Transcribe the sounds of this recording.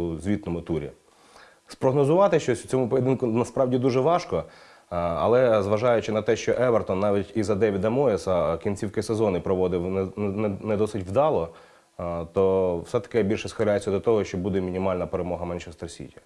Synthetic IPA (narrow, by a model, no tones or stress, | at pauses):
uzʲʋʲit̪nɔmʊt̪uɾʲḭ | spɾɔɦnɔzʊʋɑt̪ɪʃt͡ʃɔsʲw̥t͡sʲɔmʊpɔjed̪ɪnkʊnɐspɾɑʋdʲid̪uʒɛʋɑʃkɔ | ɐ̰lˠɛzʋɐʒɑjʊt͡ʃɪnɐt̪ɛʃt͡ʃɔʔɛʋɐrt̪ɔnːɑʋʲitʲizɐd̪ɛʋʲid̪ɐmɔɪsɐkʲinʲt͡sʲiwkɪsezɔnɪpɾɔʋɔd̪ɪwnnnnɛd̪ɔsɪtʲʋd̪ɑlˠɔ | t̪ɔwsɛt̪ɐ̥kɪbʲilʲʃɛsxɐɾʲajet͡sʲːɐd̪ɔt̪ɔɦɔʃt͡ʃɔbud̪ɛmʲinʲimɑlʲnɐpeɾemɔɦɐmɛnʃɛst̪ɾsʲḭtʲɐ